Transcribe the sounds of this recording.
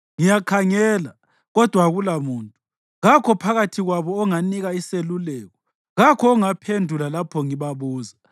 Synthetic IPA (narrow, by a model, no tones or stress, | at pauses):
ŋijakʰaŋɛːla | ɣɔd̥ʱwaɣulamuːntʼu | ɣakʰɔpʰaɣatʰiɣwaβɔːŋaniɣaiselulɛːɣɔ | ɣakʰɔːŋapʰendʱulalapʰɔŋiβaβuːza